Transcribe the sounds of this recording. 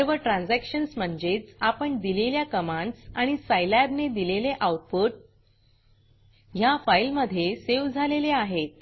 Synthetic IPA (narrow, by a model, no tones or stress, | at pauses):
əɾʋəʈɾãnd͡zækɕənsm̤əɳd͡ʑet͡sapəɳd̪ileljakəmãnɖsaɽ̃isajlæbned̪ileleʔawʈ̚puʈ̚ | jafajlməd̪ʱjeseʋd͡zʱaleleaɦet̪̚